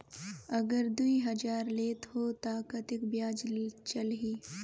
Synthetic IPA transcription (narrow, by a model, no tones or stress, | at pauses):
ɐɡəɾd̪uiɦɐd͡ʒaːɾleːt̪ɦoːt̪aːkət̪ɪkbjaːd͡ʒt͡ʃɐlɦiː